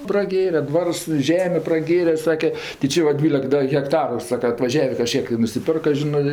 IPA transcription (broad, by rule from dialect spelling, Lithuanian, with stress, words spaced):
prɐˈɡʲeːrʲɛ ˈdʋɐrs ɪ ˈʒʲæːmʲeː prɐˈɡʲeːrʲɛ ˈsɑːkʲɛ tʲɪ ˈt͡ʃʲɪ ʋɐ ˈdʲʋʲiːlʲɛk ˈdɐ ɣʲɛkˈtɑːrʊ ˈsɑːkɐ ɐtʋɐˈʒʲæːʋʲeː kɐˈʃʲkʲiɛk ɪ nʊsʲɪˈpʲɪrkɐ ˈʒʲɪnɜ